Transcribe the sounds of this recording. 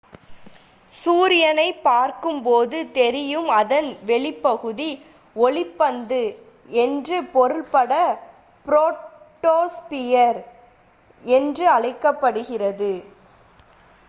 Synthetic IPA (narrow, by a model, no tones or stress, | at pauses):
suːɾɪjɐnɐɪpːaːɾkɯmpoːðɯt̪ɛɾɪjɯmɐðɐnʋɛɭɪpːɐɣɯði | ɔɭɪpːɐnd̪ɯ | ɛndrɯpɔɾɯɭpɐɽɐ | pɪɾoː | ʈːoːspɪjɐɾ | ɛndrɯɐɭɐɪkːɐpːɐɽɯɣɪrɐðɯ